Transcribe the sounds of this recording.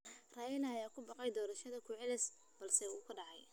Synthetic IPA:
raːjɪnɐːjaːkʰʊbɑqɑjd̪ɔːɾɐʃɐðɐkʰʊʕɪlɪs | b̥ɐlsɛuːkʰʊɖɑʕɑj

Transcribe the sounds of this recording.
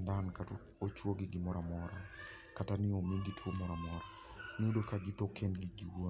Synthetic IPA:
ndankat | ot͡ʃwoɡɪɡɪmɔɾamɔɾa | katanɪomiɡɪtwomɔɾamɔɾa | niodokaɡɪt̪okʰɛnɡɪɡiwon

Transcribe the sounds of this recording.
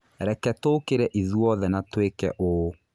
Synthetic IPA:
ɾɛkɛtoːkeɾɛʔiðuɔðɛnatwekɛ̰ʔo

